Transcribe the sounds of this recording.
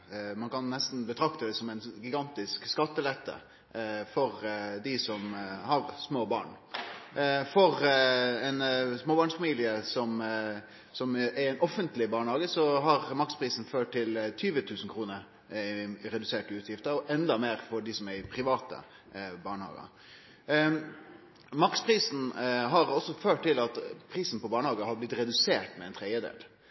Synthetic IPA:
mɑnkɑnːɛst̪n̩bət̪ʰɾɑkt̪əd̪ɛsɔmɛnɡɪɡɑnt̪ɪskskɑt̪ːəlɛt̪ʰːə̰ | fɔɾd̪ɪsɔmhɑɾsmoːbɑ̰ːɳ | fɔɾɛnsmoːbɑɳsfɑmiːlɪəsɔm | sɔmæɾɛɪnɔfːənt̪lɪbɑːɳəhɑːɡəsɔɦɑɾmɑkspʰɾiːsn̩føːʈ̚t̪ɪlt̪ʰyːʋət̪ʰʉːsn̩kʰɾuːnəɾ | ɾɛd̪ʉseːʈəʉːt̪ʰjɪft̪əɾɔʔɛnd̪ɑmeːɾfɔɖɪsɔmæɾɪpʰɾɪʋɑːt̪ə̰ | bɑːɳəhɑ̰ːɡə̰ | mɑkspʰɾiːsn̩ɦɑɾɔsːɔføːʈtːɪlɑt̪pʰɾiːsn̩pɔbɑːɳəhɑːɡəhɑblɪt̪ːɾɛd̪ʉseːʈmɛɛɪnt̪ʰɾɛɪəd̪ḛːl

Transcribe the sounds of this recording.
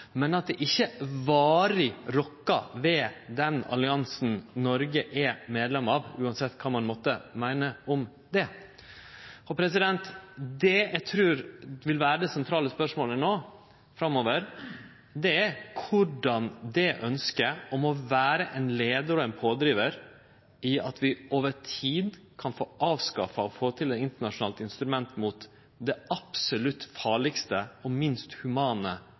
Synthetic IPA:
mɛnɑt̪̚d̪ɛʔɪçːəʋɑːɾɪɾɔkːɑ̰ʋɛd̪ɛnɑ̰lɪɑnsn̩nɔɾɡəʔɛmeːd̪lɛmɑːʋʉːɑnsɛt̪ːkʰɑːmɑnmɔt̪ːəmæɪnəɔm | d̪ɛ | ɔpʰɾɛs̬ɪd̪ɛnt̪d̪ɛɛɪt̪ʰɾʉːɾʋɪlʋæːɾəd̪ɛsɛnt̪ʰɾɑːləspœʂmoːlənoː | fɾɑmoːʋəɾ | d̪ɛækʰʊɖɑnd̪ɛʔœnskəɔmɔʋæːɾəʔɛnleːd̪əɾɔɛnpʰoːd̪ɾiːʋəɾ | ɪɑt̪ʋɪoːʋətʰiːd̪ | kʰɑnfoːʔɑːʋskɑfɑɔfoːt̪ʰɪlɛt̪ɪnt̪əɳɑʂʊnɑːlt̪ɪnst̪ɾʉmɛnt̪mut̪ | d̪ɛɑpsɔlʉt̪ːfɑːɭɪkst̪əɔmɪnst̪hʉmɑːnə

